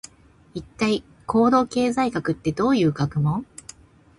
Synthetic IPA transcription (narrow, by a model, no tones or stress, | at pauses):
it̪ːai | kʰo̞ːd̪o̞ːke̞ːzaikakɯ̟t̪ːe̞d̪o̞ːjɯ̟ːɡakɯ̟mõ̞